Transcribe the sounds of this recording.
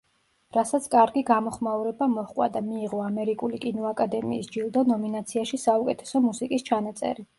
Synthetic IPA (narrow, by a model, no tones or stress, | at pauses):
ɾasat̪sʰkʼaɾɡiɡamɔχmauɾɛbamɔχkʼwa̰d̪amiːʁɔamɛɾikʼulikʼinɔakʼad̪ɛmḭːsd͡ʒilˠd̪ɔnɔminat̪sʰiaʃisaukʼɛt̪ʰɛ̥sɔmusikʼist͡ʃʰanat̪sʼɛ̰ɾi